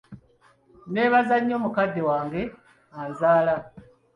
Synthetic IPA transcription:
ne̞ːβazaɲːo̞ːmukadːewaːŋɡe̞ | anzaːla

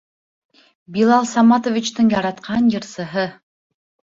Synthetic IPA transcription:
bilˠɑlˠsɑmɑt̪ovʲit͡ɕt̪ɤɴjɑɾɑt̪qʰɑnjɤ̆ɾsɤ̆ɦɤ

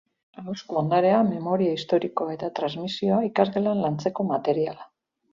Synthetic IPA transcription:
auskuond̪aɾe̞ame̞mo̞ɾiaist̪o̞ɾiko̞ae̞t̪at̪ɾazmisio̞aikazɣelanlant͡se̞ko̞mat̪e̞ɾiala

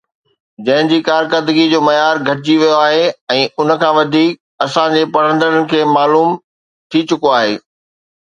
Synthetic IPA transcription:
d͡ʑɐ̃ɦɪ̃d͡ʑiːkaːɾkəɾd̪əɡid͡ʑoːmɐjaːɾɡʱɐʈɪd͡ʑiʋijoaːɦeɛ̃ːʔʊnə̆kʰãːʋɐd̪ʱiːk̚ | ɐsãd͡ʑeːpɐɽ̤ə̃nd̪əɾənɪ̆kʰeːmaːluːm | t̪ʰit͡ɕʊkoaːɦeː

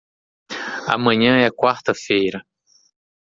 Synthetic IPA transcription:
a̰mɐ̃ɲɐ̃ɛɐkwaɾt̪ɐfejɾɐ

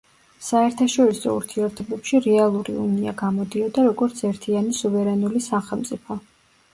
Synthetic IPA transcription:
saɛɾt̪ʰaʃɔɾisɔ̰ṵɾt̪ʰiɛɾt̪ʰɛbɛpʃiɾɛalˠuɾḭṵnia̰ɡamɔd̪iɔd̪aɾɔɡɔɾt̪sʰɛɾt̪ʰianisuvɛɾɛnulisaχɛlˠmt̪sʼipʰɔ

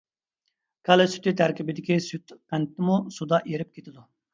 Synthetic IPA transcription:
kʰɑlˠɨsy̥t̪ʰyt̪ʰæɾkʲibɪd̪ɪkʲisyt̪qænt̪ːɪmusud̪ɑʔeɾɪp̚kʲʰet̪ʰɪd̪u

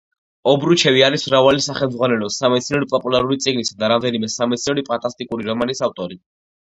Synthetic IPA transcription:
ɔbɾut͡ʃʰɛviaɾismɾavalisaχɛlmdzʁwanɛlɔsamɛt̪sʰinɔɾipʼɔpʼulaɾuɾit̪sʼiɡnisad̪aɾamd̪ɛnimɛsamɛt̪sʰinɔɾipʼant̪ʼast̪ʼikʼuɾiɾɔmanisaft̪ʼɔɾi

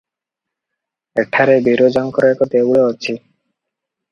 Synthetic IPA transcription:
eʈʰaɾebiɾod͡ʒɔŋkɔɾekɔt̪ebuɭeɔt͡ʃʰi

